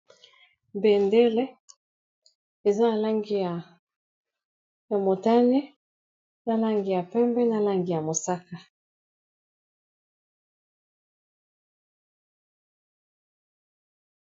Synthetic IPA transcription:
bɛ˨ndɛ˦lɛ˦ | e˨za˦na˨la˦ŋɡi˦ja˨ | ja˨mo˨ta˦ni˦ | na˨la˦ŋɡi˨ja˨pɛ˦mbɛ˦na˨la˦ŋɡi˨ja˨mo˨sa˦ka˨

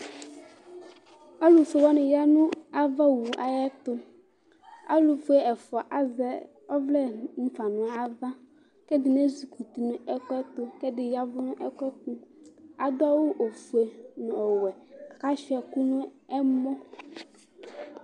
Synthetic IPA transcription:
a˦lu˨sʊ˨wɔ˦nɪ̃˨ja˦nũ˦a˦va˦wu˨ʔa˨jɛ˦t̪ʊ˦ | a˦lu˨fu˦e˦ɛ˨fʊ˨a˨ʔa˦zɛ˨ | ɔ˦vlɛ˦m̩˦fa˨nʊ̃˨a˨va˦ | ke˦d̪ɪ˨ne˦zi˨ku˨t̪i˨nũ˨ɛ˦kɛ˦t̪ʊ˦ke˦dɪ˨ja˦vʊ˦nʊ̃˦ʔɛ˦kɛ˦ku˦a˨d̪ɔ˦wo˦ʔo˨fu˨e˨nũ˨ɔ˨wɛ˨a˨ka˦ʃɛ˨ku˦nũ˦ɛ˦mɔ̃˦

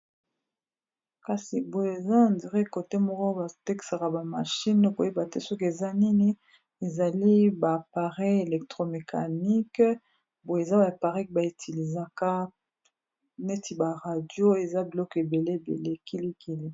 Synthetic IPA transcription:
ka˨si˨bo˨e˨za˦a˨ndi˨ʁe˦ko˨te˦mɔ˦kɔ˦ba˨te˦ki̥˨sa˨ka˨ba˨ma˨ʃi˦no˦ko˨je˦ba˨te˦sɔ˦ke˨za˦ni˦ni˦ | e˨za˨li˦ba˨pa˨ʁɛ˦e˨lɛ˨k̚tʁo˨me˨kʰa̰˨ni˦k | bo˨e˨za˦ba˨pa˨ʁɛ˦kba˨e˨tʰi˨li˨za˦ka˦ | ne˦ti˨ba˨ʁa˨djo˦e˨za˦bi˨lɔ˦ke˨be˨le˦e˨bḛ˨le˦ki˦li˦ki˦li˦

